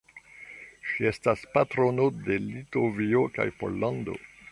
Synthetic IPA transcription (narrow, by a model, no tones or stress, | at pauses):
ʃie̞staspatɾo̞node̞litovioka̰jpo̞̰lːɑ̃ndo̞̰